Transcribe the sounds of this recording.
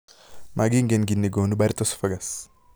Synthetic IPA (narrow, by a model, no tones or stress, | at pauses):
mʔaɡiŋɡenɡinːiɡonubaɾit̪ɔsfɐɡɐs